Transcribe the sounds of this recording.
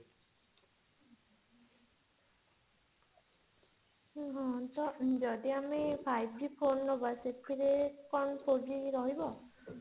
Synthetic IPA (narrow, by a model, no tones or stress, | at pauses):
ɦɔ̃t̪ɔd͡ʒɔd̪iamepʰajb̚d͡ʒipʰonɾɔbaset̪ʰiɾekɔnpoɖiɾɔɦibɔ